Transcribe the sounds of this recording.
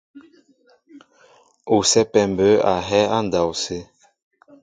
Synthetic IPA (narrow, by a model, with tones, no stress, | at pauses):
o˨sɛ˦pɛ˨mbə˨˦a˨ɦɛ˦a˦n˨da˨wse˦